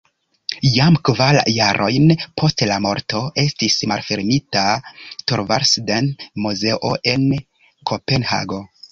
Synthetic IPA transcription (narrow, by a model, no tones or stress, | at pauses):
jamkvaljaɾʔo̞jnpʰo̞stlamo̞ɾto̞ʔe̞stismalfeɾmitatoɾvaɾsdenmuze̞ʔo̞ʔe̞n | kʰo̞penha̰ɡo̞